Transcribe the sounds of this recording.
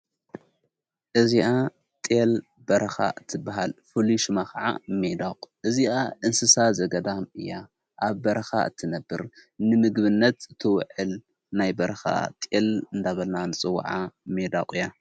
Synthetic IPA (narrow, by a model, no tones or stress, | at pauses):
ʔɨziʔa | t̪ʼel | bɐɾɐxa̰ʔɨt̪ʰːɨbːaɦalfɨliʃɨmakɐʕa̰med̪akʼʔɨziʔaʔɨnsɨsazɐɡɐd̪amɨ̰jːa | ʔaβbɐɾɐxa̰ʔɨt̪ʰːɨnɐbːɨɾnɨmɨɡβɨnːɐt̪ɨt̪ʰːɨwʕɨl | najbɐɾɐxa̰t̪ʼelɨnd̪aβɐlnanɨt͡sʼɨw̰ːʕamed̪a̰kʼɨjːa